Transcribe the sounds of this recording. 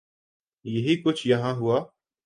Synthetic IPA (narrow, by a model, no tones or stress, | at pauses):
jəɦiːkʊt͡ʃʰjɐɦãːɦʊaː